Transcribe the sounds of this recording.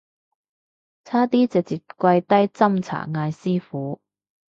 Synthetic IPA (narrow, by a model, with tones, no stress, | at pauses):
t͡sʰaː˥t̪iː˥t͡sɪ˨k̚t͡siː˨p̚kʷɐ˧jt̪ɐ˥jt͡sɐ˥mt͡sʰa̰ː˨˩ŋaː˧jsiː˥fuː˨˥